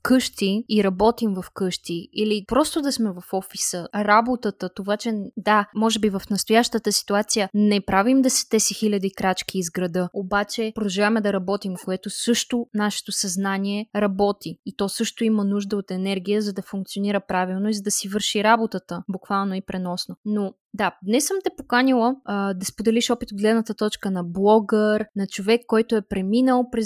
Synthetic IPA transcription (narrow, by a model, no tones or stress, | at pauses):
kɤʃt̪iiɾɐbɔt̪imvɐfkɤʃt̪iilipɾɔst̪od̪ɐsmɛvɐfɔfisəɾabot̪ət̪ət̪ovat͡ʃɛd̪amɔʒɛbivɐfnɐst̪ʊjaʃt̪ət̪əsi̥t̪uat̪sijənɛpɾavimd̪ɐsɛ̥t̪ɛsixilʲəd̪ikɾat͡ʃk̟iːzɡɾɐd̪ɤobat͡ʃɛpod̪ʒɛvaɛmɛd̪ɐɾɐbɔt̪imkoɛt̪osɤʃt̪onaʃɛ̥t̪osɐznanʲiɛɾɐbɔt̪iit̪ɔsɤʃt̪oimənuʒd̪əot̪ɛnɛɾɡ̟ijəzɐd̪ɐfuŋk̚t̪sioniɾəpɾavilˠnoizɐd̪ɐsivɤɾʃiɾabot̪ət̪əbukvalˠnoipɾɛnɔsnono | d̪ad̪nɛsəmt̪ɛpokanʲilˠəd̪ɐspod̪ɛliʃɔpit̪od̪̚ɡlɛd̪nət̪ət̪ɔt͡ʃkənɐblˠɔɡəɾnɐt͡ʃovɛkːɔjt̪oɛpɾɛminəlˠpɾɛ